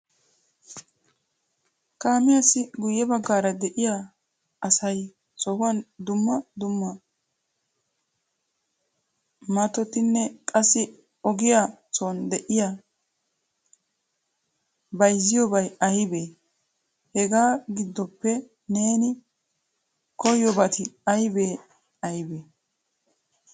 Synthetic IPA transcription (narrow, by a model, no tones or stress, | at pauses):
kaːmɪjasɪɡʊjːɛbɐɡːaːɾɐd̪ɛʔɪja | ɐsɐj | sɔhʊwɐnd̪ʊmːɐd̪ʊmːɐ | mɐt̪ɔt̪ɪnːɛkʼɐsːɪ | ɔɡɪjat͡sɔnd̪ɛʔɪja | bɐjzːɪjɔbɐjɐjbeː | hɛɡaːɡɪd̪ːɔpːɛ | ne̞ːnɪ | kɔjɔbɐt̪ɪɐjbeː | ɐjbeː